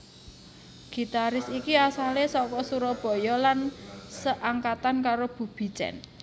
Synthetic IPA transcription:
ɡ̥i̤t̪aɾɪsikiasalesɔkɔsuɾɔb̥ɔ̤jɔlansəʔaŋkat̪ankaɾob̥ṳb̥i̤̥t͡ʃɛ̰n

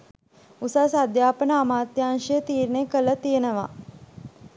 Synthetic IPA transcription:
usasad̪jaːpənəamaːt̪jaːnʃəjət̪iːɾnekələt̪ijənəʋa̰

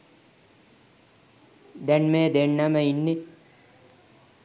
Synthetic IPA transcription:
d̪ɛnmeːd̪eɳːaməinːi

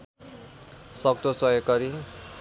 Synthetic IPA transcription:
sʌkt̪osʌekʌɾi

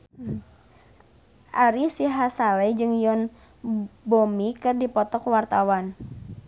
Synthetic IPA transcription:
ʔaɾisiɦasalɛd͡ʒɨŋjɔn | bomikɨrdipɔt̪ɔkwart̪awan

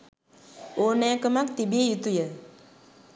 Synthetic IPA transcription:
onɛkəmak̚t̪ibejut̪ujə

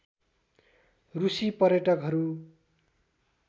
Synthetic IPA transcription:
rusipʌrjʌʈʌkɦʌɾu

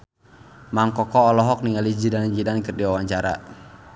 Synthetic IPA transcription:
maŋkɔkɔːlɔɦɔk̚niŋalid͡ʒidand͡ʒidankɨrdiwawaɲt͡ʃaɾa̰

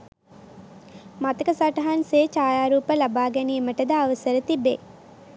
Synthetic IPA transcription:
mat̪əkəsaʈɐɦanseːt͡ʃaːjaːɾuːpəlabaːɡɛniːməʈəd̪aaʋəsəɾət̪ibḛ

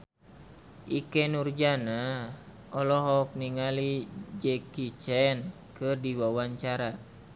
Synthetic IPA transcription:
ʔikɛnurd͡ʒana | ɔlɔɦɔk̚niŋalid͡ʒɛkit͡ʃɛn | kɨrdiwawaɲt͡ʃaɾa

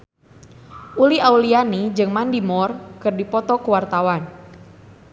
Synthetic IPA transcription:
ʔuliaulianid͡ʒɨŋmandimɔrkɨrdipɔt̪ɔkəwart̪awan

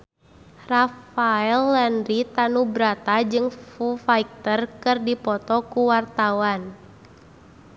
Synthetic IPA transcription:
rafaɛlːɛnrit̪anubɾat̪ad͡ʒɨŋfufaik̚t̪ərkɨrdipɔt̪ɔkuwart̪awan

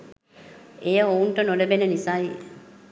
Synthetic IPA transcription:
ejəounʈənolebenənisai

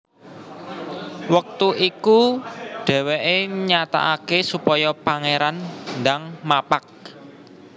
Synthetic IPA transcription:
wək̚t̪uʔikuɖ̥ɛ̤weʔeɲat̪a̰ʔakesupɔjɔpaŋeɾanndaŋmapak̚

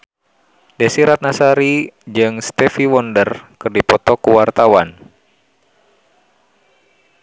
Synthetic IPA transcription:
dɛsiɾat̪̚nasaɾid͡ʒɨŋst̪ɛfiwɔndərkɨrdipɔt̪ɔkuwart̪awan

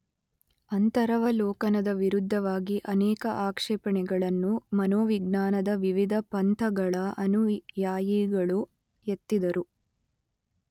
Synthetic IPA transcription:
ɐnt̪ɐɾɐʋɐlɔːkɐnɐd̪ɐʋiɾud̪ʱːɐʋaːɡiʔɐnɛːkɐʔaːkʂɛːpɐɳɛɡɐɭɐnːumɐnoːʋiɡ̚naːnɐd̪ɐʋiʋid̪ʱɐpɐnt̪ʰɐɡɐɭɐʔɐnujaːjiɡɐɭu | jet̪ːid̪ɐɾu

